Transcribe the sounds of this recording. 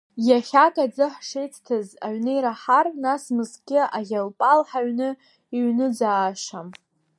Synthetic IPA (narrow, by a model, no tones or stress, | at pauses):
jaχʲatʰʼad͡zɨħʂejt͡sʰʼtʰɨza̰ɥnɨjɾaħarnasmɨskʲʼɪʔaɣʲalpʼalħaɥnɨ | iɥnɨd͡zaːʃam